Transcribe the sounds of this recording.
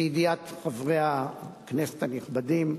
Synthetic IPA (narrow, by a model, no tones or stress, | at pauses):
jid̪iat̪χavʁeaknese̥t̪aniχbadim